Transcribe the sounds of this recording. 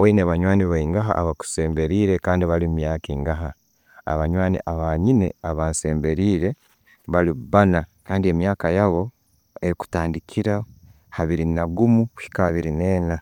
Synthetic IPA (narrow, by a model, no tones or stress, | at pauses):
oineβaɲwaːniβaiŋɡaɦa̰ʔa̰βaku̥se̞ːmbe̞ɾiːɾe̞kaːndiβalimmjaːkiːŋɡaɦa | a̰βaɲwaːnḭʔaβaɲine̞̰aβaːnse̞ːmbe̞ɾiːɾe̞ | βaliβanakaːndie̞mjaːkajaβo̞ | e̞ɾiku̥taːndikʰiɾa | haβiɾinaɡumui̥kaβiɾineːna